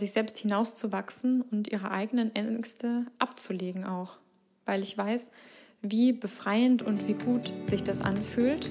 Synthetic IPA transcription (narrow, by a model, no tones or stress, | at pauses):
zɪçz̥ɛlpsthɪnaʊst͡suvaksn̩ʊntʔiːʁ̞əʔa̰ɪɡənənʔɛstəʔapt͡suleːɡŋ̩ʔaʊx | v̥aɪlɪçv̥aɪs | viːbəfʁ̥aɪəntʊntv̥iːɡuːtz̥ɪçd̥asʔa̰nfyːlt